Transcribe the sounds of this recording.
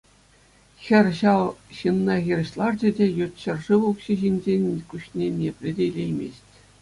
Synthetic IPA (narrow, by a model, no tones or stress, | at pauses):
xʲɘ̆rʲɕɑlˠɕɯnːɑɣʲirʲɘ̆ɕlˠɑrd͡ʑɘ̆dʲĕjut̪ʲɕɘ̆rʐɯʋukɕiʑinʲd͡ʑenʲkʲuɕnʲenʲepʲlʲɘ̆dʲelʲejmʲḛsʲtʲ